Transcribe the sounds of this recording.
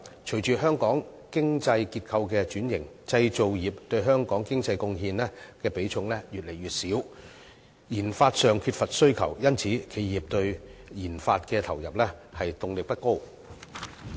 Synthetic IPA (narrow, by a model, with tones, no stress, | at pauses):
t͡ʃʰɵ˨˩jt͡ʃyː˨ɦœː˥ŋkɔː˨˥ŋ | kɪ˥ŋt͡sɐ˧jkiː˧t̚kʰɐ˧wkɛː˧t͡ʃyː˨˥njɪ˨˩ŋt͡sɐ˧jt͡so˨wjiː˨˩p̚t̪ɵ˧ɥɦœː˥ŋkɔː˨˥ŋkɪ˥ŋt͡sɐ˧jkʊ˧ŋɦiː˧nɛː˥kɛː˧pe˨˥jt͡sʰʊ˧ŋlɛː˥jyː˨t̚le˨˩jɥyː˨t̚siː˨˥w | jiː˨˩nfaː˧t̚sœː˨ŋkʰyː˧t̚fɐ˨t̚sɵ˥ɥkʰɐ̰˨˩wjɐ˥nt͡sʰiː˨˥kʰe˨˧jjiː˨˩p̚t̪ɵ˧ɥjiː˨˩nfaː˧t̚kɛː˧t̪ʰɐ˨˩wjɐ˨p̚lɛː˥hɐ˨jt̪ʊ˧ŋlɪ˨k̚pɐ˥t̚ko˥w